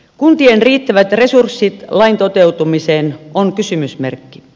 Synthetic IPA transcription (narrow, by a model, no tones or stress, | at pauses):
kunt̪ienriːt̪ːæʋæt̪resursːit̪lɑint̪ot̪eut̪umiseːnoŋkysymysmḛrkːi̥